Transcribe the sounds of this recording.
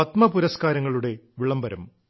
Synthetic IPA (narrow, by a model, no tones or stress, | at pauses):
ɐt̪mɐpuɾɐskaːɾɐŋːɐɭuɽe̞ʋiɭɐmbɐɾɐm